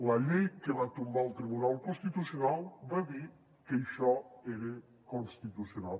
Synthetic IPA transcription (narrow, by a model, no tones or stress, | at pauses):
laʎejkelat̪umbalt̪ɾiβunalkonst̪it̪usjonalbeβi | kejʃaeɾe | konst̪it̪usjonal